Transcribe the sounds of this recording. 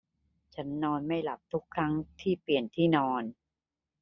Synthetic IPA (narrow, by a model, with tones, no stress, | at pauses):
t͡ɕʰa˦˥nːɔː˧nma˥˩jla˨˩p̚t̪ʰu˦˥kʰːɾa˦˥ŋt̪ʰiː˥˩pli˨˩ənt̪ʰiː˥˩nɔː˧n